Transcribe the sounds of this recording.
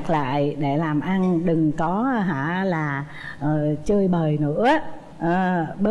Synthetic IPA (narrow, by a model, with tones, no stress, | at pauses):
k̚la̰ː˧˨jɗe˧˩laː˨˩mʔa˧nɗɨ˨˩ŋkɔ˨˦ɦa̰ː˧˩laː˨˩ | ʔəː˨˩t͡ɕəː˧jɓəː˨˩jnɨ̰˧˥ə | ʔə˨˩ɓəː˦